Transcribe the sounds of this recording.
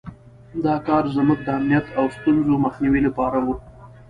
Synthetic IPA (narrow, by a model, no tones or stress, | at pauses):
d̪ɑkɑɾzmʊk̚d̪əamnijat̪ʰawst̪unzomaxniwilapɑɾawu